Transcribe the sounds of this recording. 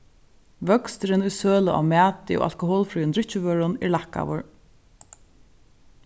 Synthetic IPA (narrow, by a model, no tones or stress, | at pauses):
ʋœkst̪ɾɪnujsøːlʊʔa̰mæːt̪ɪo̰ːa̰lkʊɦoːlfɾuːɪnd̪ɾɪht͡ʃɪvœːɾʊnɛ̰lahka̰ʋʊ̰ɹ